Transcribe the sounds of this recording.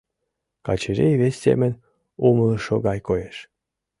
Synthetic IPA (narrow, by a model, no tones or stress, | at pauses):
kɑ̰t͡ɕeʒejβesʲːḛmə̆nʲ | uməlɤ̆ʃoɣɑjkojeʃ